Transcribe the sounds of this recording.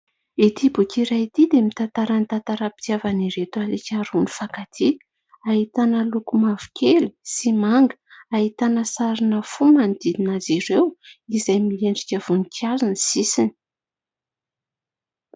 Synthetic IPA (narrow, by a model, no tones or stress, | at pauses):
it̪ibukiɾajit̪id̪emit̪ant̪aɾanit̪ant̪aɾapi̥t̪iavaniɾet̪ualikʲaɾunifakat̪ʰi | aɦit̪anəlukumavu̥kʲʰeli̥simaŋɡə̥aɦit̪anəsaɾinəfumanid̪iinaziɾewizajmieɳɖ͡ʐikʲəv̥unikazinisisini̥